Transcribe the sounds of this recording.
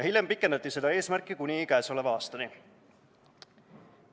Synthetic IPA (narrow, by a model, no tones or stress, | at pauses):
ɑɦhiljempikːˑe̞nd̪ɑt̪ːˑise̞d̪ɑe̞ːsmærkːˑikunʲikæeso̞levɑɑːst̪ɑni